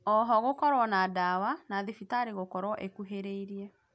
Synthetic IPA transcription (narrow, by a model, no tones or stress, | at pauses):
ɔɦɔɣokɔɾwɔnadawanaðefitaɾeɣokɔɾwɔʔekuɦeɾeiɾiɛ